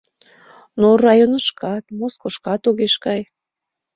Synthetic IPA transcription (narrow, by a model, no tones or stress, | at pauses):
norɑjonəʃkɑt̪moskoʃkɑt̪oɣeʃkɑj